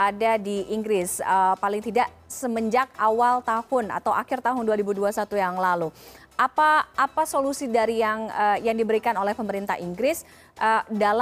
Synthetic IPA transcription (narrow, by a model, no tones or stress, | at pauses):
adadiʔːŋɡɾɪsəpalɪŋt̪idaʔ | səməɲd͡ʒak̚awalt̪ahʊna̰t̪awa̰kɪrt̪aɦʊnduaɾibuduasat̪ujaŋlalu | ʔapaːpasolusidaɾijaŋəjaŋdibəɾikanolɛhpəməɾint̪a̰ɦiŋɡɾɪs | ʔədal